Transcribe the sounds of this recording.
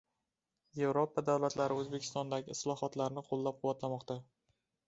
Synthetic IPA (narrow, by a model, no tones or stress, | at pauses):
je̞vɾopʰad̪awlat̪laɾɪɵzbe̞kʲʰɪ̥st̪ɒnd̪aɡʲɪɪslˠɒhɒt̪laɾnɪqʰolˠːap̚qʰʊwːat̪lamɒqt̪a